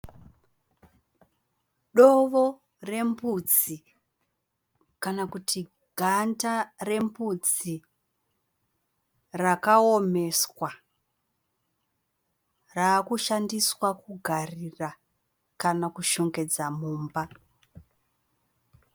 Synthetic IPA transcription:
ɗoʋo | re̞mpud͡zi | kanakutʰi | ɡʱantare̞mpud͡zi | rakaome̞swa | raːkuʃandiswakuɡʱarira | kanakuʃoŋɡe̞d͡zamuːmba

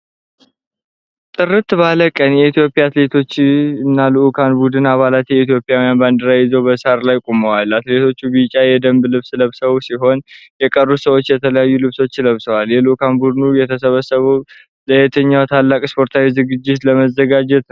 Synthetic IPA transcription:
t̪ʼɨɾɨt̪baləkʼənjɛit̪ijo̞pʼjaːt̪le̞t̪ʰo̞t͡ʃːɨnːalɨʔukʰanbud̪ɨnaβalat̪jɛit̪ʰjo̞pʼɪjawijanband̪əɾajɪzowbəsaɾlajkʼoməwalat̪le̞t̪ʰo̞t͡ʃːubɨt͡ʃʼajɛd̪əmblɨβsləβsəwsiɦo̞njɛkʼərːusəwo̞t͡ʃːjɛt̪ʰələjajːulɨβso̞t͡ʃːləβsəwaljɛlɨʔukʰanbud̪ɨnujɛt̪ʰəsəβəsəβəw | ləjɛt̪ʰəɲːawt̪ʰalːakʼspʰo̞ɾt̪ʰawizɨɡɨd͡ʒːɪt̪ləməzːəɡad͡ʒɛt̪

